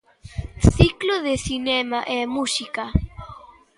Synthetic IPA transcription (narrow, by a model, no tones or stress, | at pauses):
sikloðesinemaʔɛmusika